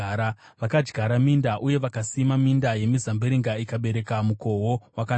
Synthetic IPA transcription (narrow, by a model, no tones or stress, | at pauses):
ɾaʋakad͡ʒɡʱaɾamindaʔuje̞ʋakasimamindaje̞mizambeɾiŋɡaikaɓe̞ɾe̞kamuko̞ɦo̞waka